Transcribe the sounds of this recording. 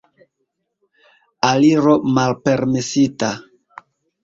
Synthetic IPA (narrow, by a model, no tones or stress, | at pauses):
aliɾo̞malpe̞ɾmesita